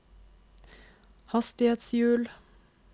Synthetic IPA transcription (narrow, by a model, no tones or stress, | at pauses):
hɑst̪ɪheːt̪sjʉːl